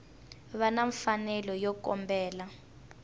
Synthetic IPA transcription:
βanaɱfanɛlɔjɔkɔ̰mbɛːla

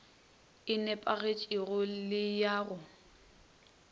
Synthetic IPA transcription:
ɪnɛpʼaɣet͡ʃʼɪɣʊlɪjaːɣʊ

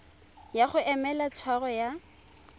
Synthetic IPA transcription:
jaχʊʔɛmɛlat͡sʰwaɣɔja

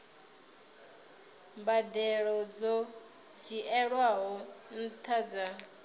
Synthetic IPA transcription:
mbadɛɺɔd͡zɔ | d͡ʒiʔɛɺwaɦɔn̩tʰad͡za

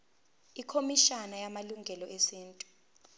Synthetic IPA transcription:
ikʰomiʃanajamaluŋɡʱɛlɔʔesiːntʼu̥

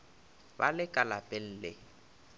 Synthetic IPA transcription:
ba̰lɪkʼalapʼɛl̩ːlɪ

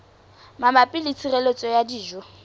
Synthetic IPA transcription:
mamapʼɪlit͡sʰirelet͡sʼɔjadiːʒɔ

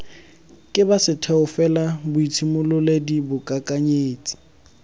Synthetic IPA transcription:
kʼɪbasɪtʰɛʊfɛlabʊit͡sʰimʊlʊledibʊkʼakʼaɲeːt͡sʼi̥

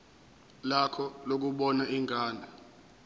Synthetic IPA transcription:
lakʰɔlok̬uɓɔnaʔiŋɡʱaːna

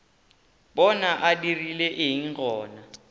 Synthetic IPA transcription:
ɓɔnaʔadirilɛʔɪɦiŋkʰʼɔːna

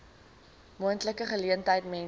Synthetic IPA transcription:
muəntləkəχəliəntəjtmɛn

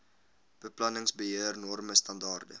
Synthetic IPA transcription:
b̥əplɐnəŋsbəɦiərnɔrməstɐndɑːrdə̰

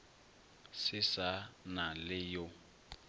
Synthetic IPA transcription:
sɪsanalɪjɔ

